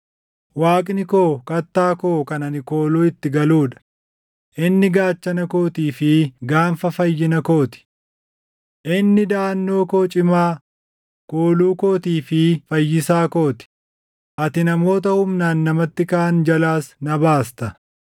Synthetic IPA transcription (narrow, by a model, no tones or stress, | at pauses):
waːkʼnɪkoːkɐt̪ːaːkoːkɐnɐnɪko̞ːluːɪt̪ːɪɡɐluːᶑɐ̥ | ʔɪnːɪɡaːt͡ʃːɐnɐko̞ːt̪iːfɪɡaːnfɐfɐjːɪnɐko̞ːt̪ɪ̥ | ʔɪnːɪd̪aːnːo̞ːko̞ːt͡ʃʼɪmaː | koːluːko̞ːt̪iːfɪfɐjːɪsaːko̞ːt̪ɪ̥ | ʔɐt̪ɪnɐmo̞ːt̪ɐhʊmnaːnːɐmɐt̪ːɪkaːnd͡ʒɐlaːsnɐbaːst̪ɐ